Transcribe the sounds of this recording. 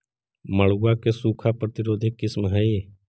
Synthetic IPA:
məɭuakesuːkʰapɾət̪ɪɾoːd̪ʱekːɪsmɦɛe

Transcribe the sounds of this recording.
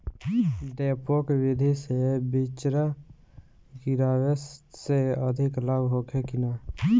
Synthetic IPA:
ɖeːpoːkwɪd̪ʱisebɪt͡ʃɾa | kiɾaːʋesseəd̪ʱɪkləbɦoːkʰekɪnaː

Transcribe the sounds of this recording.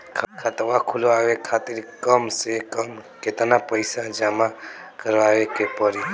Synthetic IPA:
kʰkʰat̪ʋakʰuloawekʰat̪iɾkəmsekəmket̪napəɪsad͡ʒamakəɾʋaʋekepəɾi

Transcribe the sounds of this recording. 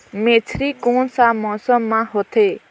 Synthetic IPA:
met͡sʰɾikõnsamɔsɔmːãɦot̪ʰe

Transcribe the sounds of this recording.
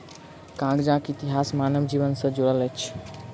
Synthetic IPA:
kãɡd͡ʒãkit̪iɦasmanəmd͡ʒiʋənsə̃d͡ʒoɽələt͡ʃʰ

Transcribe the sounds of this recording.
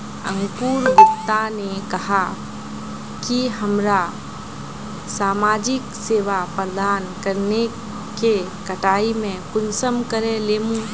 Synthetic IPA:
ə̰̃ŋkuːɾɡʊkt̪anekɐɦa | kiɦəmɾa | saːmaːd͡ʒɪkseːʋapəɾd̪aːnkəɾne | ke | kəʈaːimẽkʊnsəmkəɾeleːmũ

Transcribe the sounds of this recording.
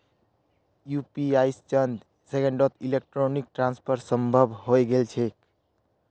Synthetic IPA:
jupiaist͡ʃənd̪ | sekẽɳɖot̪ʰilek̚ʈɾonik̚ʈɾanspʰəɾsəmbʱəbʱɦojɡelt͡ʃʰek̚

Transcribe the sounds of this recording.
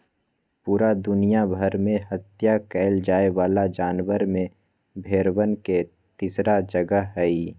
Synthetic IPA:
puːɾad̪ʊnijabʱəɾmẽhət̪jakɛːld͡ʒaːewaːlad͡ʒaːnwəɾmẽ | bʱeːɾwənke | t̪iːsɾad͡ʒəɡəɦɦɛi

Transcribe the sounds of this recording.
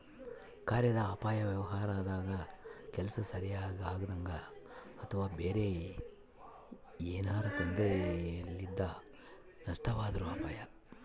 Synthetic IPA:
kaːɾjɐd̪ɐaːpaːjɐʋjɛʋɐɦaːɾaːd̪aːɡɐkɛlɐsɐsɐɾijaːɡiaːɡɐd̪ɐŋɡɐːt̪ʰɐʋaːbeːɾe | eːnaːɾɐk̪ond̪elːid̪ːɐ | nɐʂʈɐʋaːd̪ɐɾuaːpaːjɐ

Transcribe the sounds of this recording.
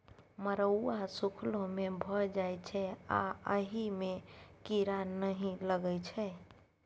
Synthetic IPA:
məɾəuasukʰlõmebʱəd͡ʒajt͡ʃʰɛa̰əɦimekiɾanəɦĩləɡɛjt͡ʃʰɛ

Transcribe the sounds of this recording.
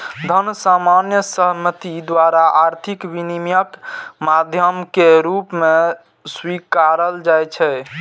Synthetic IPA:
d̪ʱənsamanjəsəɦmət̪id̪ʋaɾaʔaɾt̪ʰikbinimjəkmad̪ʱjəmkeɾupme | swikaɾəld͡ʒajt͡ʃʰɛ

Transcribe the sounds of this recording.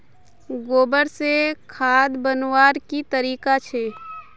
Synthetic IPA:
ɡoːbəɾsekʰaːd̪bənwaːɾkit̪əɾiːkat͡ʃʰeː

